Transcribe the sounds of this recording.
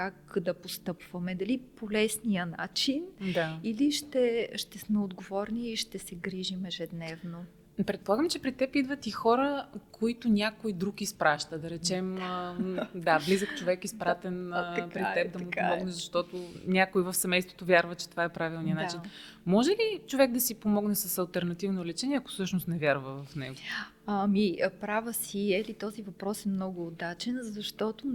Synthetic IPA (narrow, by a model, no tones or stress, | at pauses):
kakd̪ɐpost̪ɤpvɐmɛd̪ɐlipolɛsnijəna̰t͡ʃind̪ailiʃt̪ɛʃt̪ɛsmɛod̪ɡovɔɾniʃt̪ɛsɛɡɾiʒimɛʒɛd̪nɛvno | pɾɛt̪̚polˠaɡəmt͡ʃɛpɾit̪ɛpid̪vət̪ixɔɾəkoit̪ʊnʲakojd̪ɾukispɾaʃt̪əd̪ɐɾɛt͡ʃɛməd̪ablizəkt͡ʃovɛkispɾat̪ɛnpɾit̪ɛp̚d̪ɐmupomɔɡnɛzɐʃt̪ɔt̪ʊnʲakoivɐfsɛmɛjst̪vot̪ovjaɾvət͡ʃɛt̪ovaɛpɾavilˠniənat͡ʃin | mɔʒɛlit͡ʃovɛk̚d̪ɐsipomɔɡnɛsɐsɐlˠt̪ɛɾnɐt̪ivnolɛt͡ʃɛniɛɐko̥sɤʃnost̪nɛvʲjaɾvəvɐfnɛ̰ɡo | amipɾavəsiɛlit̪ɔzivɐpɾɔsɛmnɔɡʊːd̪at͡ʃɛnzɐʃt̪ɔt̪ʊ